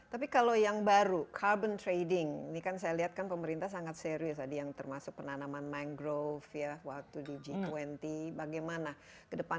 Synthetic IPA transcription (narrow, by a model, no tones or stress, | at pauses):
t̪apikalojaŋbaɾukʰarbənt̪ɾejdɪŋnikansajaliɦat̪̚kanpəməɾint̪ahs̬aŋat̪̚seɾiʊs̬adijaŋt̪ərmasʊk̚pənanamanmaŋɡɾofjawak̚t̪udid͡ʒit̪uwɛnt̪ibaɡajmana | kədəpa